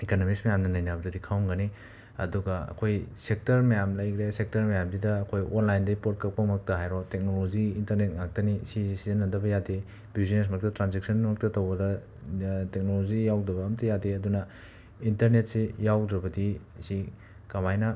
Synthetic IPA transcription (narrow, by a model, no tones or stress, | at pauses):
ekanomiksmɐjamnɐnɐjnabɐdɐdikʰawnɡɐni | ɐ̰duɡɐɐ̰kʰojsek̚tɐɾmɐjamlɐjkʰɾesek̚tɐɾmɐjamdidɐːkʰojʔonlajndɐipot̚kɐk̚pɐmɐk̚tɐɦajɾɔtek̚noloziːntɐɾnet̚ŋak̚tɐnisizsizenːɐdɐbɐjade | bizines̬mɐk̚tɐtɾanzek̚sɐnmɐk̚tɐtowbɐdɐ | tek̚nolozijawdɐbɐːmtʰɐjadeɐdunɐ | intɐɾnet̚sejawdɾɐbɐdisi | kɐmajnɐ